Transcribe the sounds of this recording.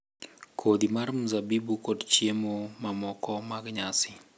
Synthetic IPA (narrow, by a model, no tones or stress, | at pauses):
kʰod̪imarmuzabibukodt͡ʃjemomamɔkɔmaɡɲasɪ